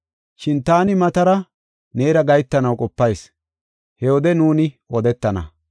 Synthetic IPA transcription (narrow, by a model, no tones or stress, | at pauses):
ʃɪnt̪aːnɪmɐt̪ɐɾɐ | ne̞ːɾɐɡɐjt̪ːɐnɐwkʼɔpːɐjs | hɛwɔd̪ɛnuːnɪ | ɔd̪ɛt̪ːɐnɐ̰